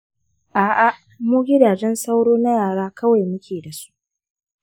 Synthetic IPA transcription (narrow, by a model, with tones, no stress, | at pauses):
ʔaː˨ʔa˨ | muː˦ɡʲɪ˦daː˨d͡ʒɛ˦nsa˦wɽoː˦na˦jaː˨ɽaː˦kʰɐ˦wa˨jmʊ˦kʲʰeː˨da˨su̥˦ʔʔ